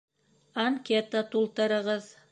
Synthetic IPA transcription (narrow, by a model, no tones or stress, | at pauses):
aŋkʲet̪at̪ulˠt̪ə̆ɾə̆ʁəz